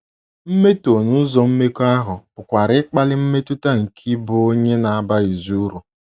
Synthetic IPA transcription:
m̩˦me˦to˨nu˦zɔ˨m̩˦me˦ko˦a˦ɦʊ˨pʊ˨kʷa˨ɾɪ˦k͡pa˦lɪ˦m̩˦me˦tu˦ta˦ŋ̩˨kʰi˦bʊ˨o˦ɲe˦na˨a˨ba˦i˨zu˦ɾu˨

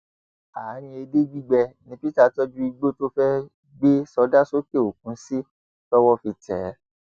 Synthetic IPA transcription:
a˨˦ɾ̃ĩ˧˦e˧de˦ɡ͡bi˦ɡ͡bɛ˧nĩ˧˦pi˦ta˦˨tɔ˦d͡ʒu˦i˧ɡ͡bo˦to˦fɛ˦ | ɡ͡be˦sɔ˧˦da˦so˦ke˦˨o˨k̚ũ˨˦si˦ | tɔ˦wɔ˦fi˧tɛ̰˨˦

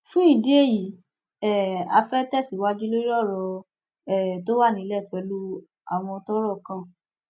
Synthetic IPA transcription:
fũ˦i˦˨de˨˦e˦˨ji˨ | ɛ˦˨a̰˧fɛ˦tɛ˦˨si˨˦wa˦d͡ʒu˦lo˦i˦ɾɔ˦˨ɾɔ˧ | ɛ˦˨to˦wa˦˨nĩ˨˧˦lɛ˦˨twɛ˨˦lu˦ | a̰˨w̃ɔ̃˧ɔ˧tɔ˦ɾɔ˦˨kã˦˨

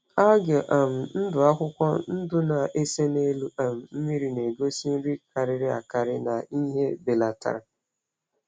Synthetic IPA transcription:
a˦ɡe˨ʔa˨m̩˨n̩˦dʊ˨a˦kʷʊ˦kʷɔ˦n̩˦dʊ˦na˨ʔe˦se˦ne˦lu˦a˨m̩˨m̩˦mi˦ɾi˨ne˨ɡo˦si˦n̩˦ɾi˦ka˨ɾɪ˦ɾɪ˦a̰˨ka˨ɾɪ˦na˨i˦ɦe˦be˨la˨ta̰˨ɾa˨

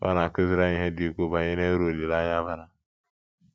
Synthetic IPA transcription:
ba̰˦na˨kə˦zi˦ɾa˦jĩ˨ɦe˦di˦ko˦ba˨ji˦ne˦ɾo˨li˨la˦ja˦ba˦na˨

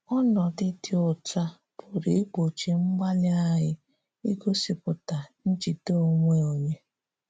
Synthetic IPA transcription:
ɔ˦nɔ˨dɪ˦tɪ˦ʊ˨ta˦ | b̥ʊ˨ɾe˨e˦k͡po˨t͡ʃi˨ŋ͡m̩˦ɡ͡ba˦lɪ˦a˦ɦɪ˦ | i˦ko˦sɪ˨pʊ˨ta˨n̩˦t͡ʃi˨to˦˨ŋʷe˦o˨ɲe˦

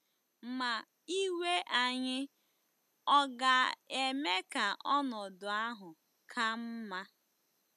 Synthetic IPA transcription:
ma˨ | i˦we˦ʔa˨ɲɪ˦ | ɔ˦ɡa˨e˨me˦ka˨ʔɔ˦nɔ˨dʊ˨a˦ɦʊ˨ | kʰa˦m̩˦ma˦

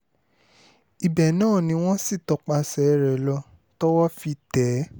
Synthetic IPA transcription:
i˨bɛ˨nãː˦˨nĩ˧w̃ɔ̃˦si˦˨tɔ˧k͡pa˧sɛ˨˦ɾɛ˨lɔ˧ | tɔ˦wɔ˦fi˧tɛ˨˦

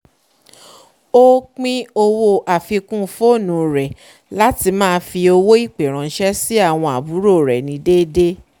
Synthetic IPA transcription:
o˦k͡pĩ˦o˧wo˧ʔa˨fi˧kũ˦fo˦˨nũ˨˧ɾɛ˨ | la˦ti˧mãː˦˧fi˧o˧wo˦i˦˨k͡pe˨ɾ̃ã˨n̩˦ʃɛ˦si˦a˦˨w̃ɔ̃˧a˨bu˨˦ɾo˦˨ɾɛ˨nĩ˨˧˦de˦de˦

